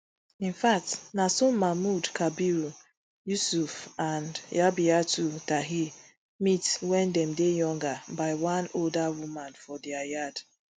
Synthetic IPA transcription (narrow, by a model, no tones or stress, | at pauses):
ĩnfak̚tnasomamudkabiɾu | jusufandjabiatutaɦi | mitwɛndɛm̩dejɔŋɡabaɪwãnoldawumanfɔdiajad